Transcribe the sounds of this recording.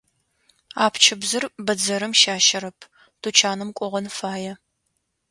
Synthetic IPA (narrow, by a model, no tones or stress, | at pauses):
aːpʰt͡ʃʰɪbzɨrbɐd͡zɐɾɨmʃaːʃɐɾɐpʰ | tʰut͡ʃʰaːnɨmkʷʼɔʁɐnfaːjɛ